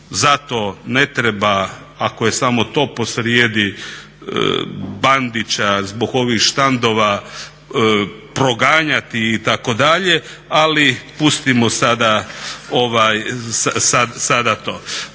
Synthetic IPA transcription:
zat̪o̞ne̞t̪ɾeba | akoje̞samo̞t̪o̞ːpo̞sɾjeːd̪ḭ | band̪it͡ɕazbo̞ɡo̞ʋixʃt̪and̪o̞ʋa | pɾo̞ɡaːɲat̪iːt̪ako̞d̪aʎe̞ | alipust̪imo̞sad̪aoʋajsasad̪sad̪at̪o̞ː

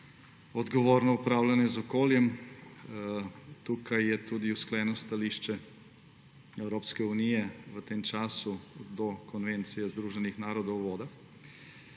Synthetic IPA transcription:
ɔd̪ɡoʋoːɾnɔupɾaːwlanjɛzɔkoːljɛm | t̪uːkajːɛt̪uːd̪iusklɛnɔst̪aliʃt͡ʃɛ | ɛwɾoːpskɛunijɛʋət̪emt͡ʃaːsud̪ɔkɔnʋent̪sijɛzd̪ɾuːʒɛnixnaːɾɔd̪owʋoːd̪a

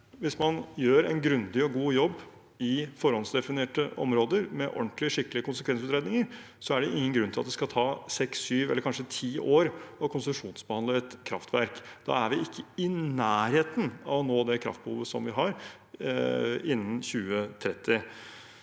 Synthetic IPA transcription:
ʋɪsmɑnjøːɾɛ̰nɡɾʉnd̪ɪɔɡuːjɔbː | ɪfɔɾhɔnsd̪ɛfɪneːʈəʔɔ̰mɾoːd̪əɾmɛʔɔ̰ɳʈ̪lɪəʂɪkːlɪəkʊnsəkʰʋɛns̬ʉːt̪ɾɛd̪nɪŋəɾ | sɔæɖɛʔɪŋːənɡɾʉnt̪ʰɪlɑt̪d̪ɛskɑlt̪ʰɑːsɛksyːʋɛlːəɾkʰɑnʂət̪ʰiːʔoːɾɔkʊnsʉmʂuːnsbəhɑnd̪əɛt̪kʰɾɑ̰ft̪ʋæɾkd̪̥ɑ̰æʋɪɪkːəɪnæːɾheːt̪ənɑ̰ʋɔnoːd̪ɛkʰɾɑ̰ft̪̚bəhṵːʋəsɔmʋɪɦɑɾ | ɪnːən̩çʉːət̪ʰɾɛt̪ːɪ

